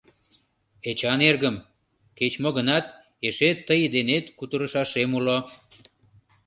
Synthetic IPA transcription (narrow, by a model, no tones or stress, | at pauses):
et͡ɕɑnerɣəm | ket͡ɕmoɣənɑt̪̚ | eʃet̪ːəjd̪enet̪kut̪əɾəʃɑʃemulo